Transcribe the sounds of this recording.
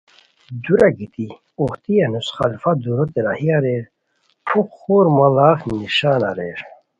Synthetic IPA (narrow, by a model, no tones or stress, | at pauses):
d̪uɾaɡit̪i | oht̪ijɐnusχa̰lfad̪uɾot̪eɾahiaɾeɾ | pʰukxoːɾmɐlaːxniɕaːna̰ɾeɾ